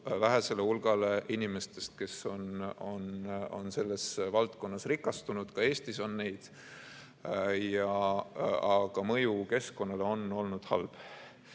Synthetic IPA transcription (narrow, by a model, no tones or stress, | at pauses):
væɦese̞leulɡ̥ɑleʔinime̞st̪e̞st̪̚ke̞so̞no̞no̞̰nse̞lːe̞svɑlt̪ko̞nːɑsrikːˑɑst̪unud̪̥kɑe̞ːst̪iso̞nːe̞jd̪̥ | jɑ | ɑɡ̥ɑmɤjuke̞sko̞nːɑleo̞no̞lnud̪̥hɑ̰lb̥